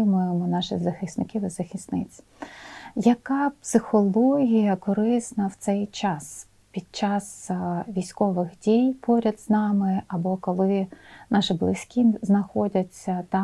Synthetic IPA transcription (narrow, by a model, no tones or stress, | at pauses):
ɪmʊjemɔnɑʃɪzɐxʲɪsnɪkɪʋɪzɐxʲisnɪt͡sʲ | jɐkɑpsɪxɔlˠɔɦʲijɐkɔɾɪsnɐwt̪sɛjt͡ʃɑs | pʲid̪̥̚t͡ʃɑsʋʲijsʲkɔʋɪxdʲijpɔɾʲɐd̪z̥nɑmɪɐbɔkɔlˠɪnɑʃɪblˠɪsʲkʲiznɐxɔdʲɐt͡sʲːɐt̪ɑ